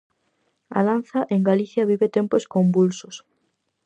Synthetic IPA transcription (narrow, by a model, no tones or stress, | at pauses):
a̰ðanθaʔeŋɡaliθjɐβ̞iβet̪emposkombulsos